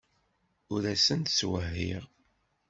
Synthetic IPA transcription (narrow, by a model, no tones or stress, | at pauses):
ʊɾæsənt̪swəɦːḭʁ